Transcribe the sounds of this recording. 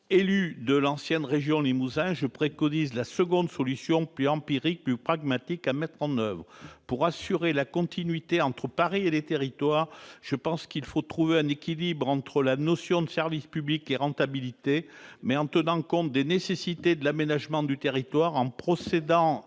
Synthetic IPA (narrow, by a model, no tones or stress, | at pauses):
elyd̪əlɑ̃sjɛnʁeʒjɔ̃limuzɛ̃ʒəpχekɔnizlasəɡɔ̃d̪sɔlysjɔ̃plyɑ̃piʁik̚plypχaɡmat̪ikamɛt̪χɑ̃nœvʁəpuʁasyʁelakɔ̃t̪ʰinɥit̪eɑ̃t̪χəpaʁielet̪eʁit̪waʁʒ̥əpɑ̃skilfot̪χuveɛ̃nekʲilibʁɑ̃t̪χəlanɔsjɔ̃d̪əsɛʁvispyblikeʁɑ̃t̪abilit̪emɛɑ̃t̪ənɑ̃kɔ̃t̪̚d̪enesesit̪ed̪əlamenaʒmɑ̃d̪yt̪eʁit̪waʁɑ̃pχɔsed̪ɑ̃